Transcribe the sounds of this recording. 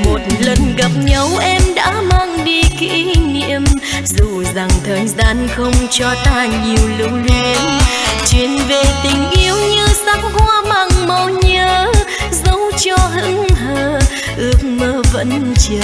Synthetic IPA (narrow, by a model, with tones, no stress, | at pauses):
mo˨˩t̚lə˨˩nɣa˨˩p̚ɲə˨˦wʔɛ˧mɗa̰ː˧˥maː˧ŋɗi˧kḭ˧˥nḭ˧˥əm | zu˨˩za˨˩ŋt̪ʰəː˨˩jzaː˧nxə˧wŋ͡mt͡ɕɔ˧t̪aː˧˩ɲi˨˩əwlɨ˧˥wli˧ənt͡ɕwi˧˦ənve˨˩t̪ï˨˩ŋ̟ʔi˨˧˦əwɲɨ˧sa˦˥k̚kwaː˧maː˨˩ŋmə˨˧˩ɲəː˧˦ | zə˨˦wt͡ɕɔ˧ɦɨ̰˧˥ŋɦəː˧˩ | ʔɨ˧˥ək̚məː˧˦və̰˧˥nt͡ɕɨ˨˧˩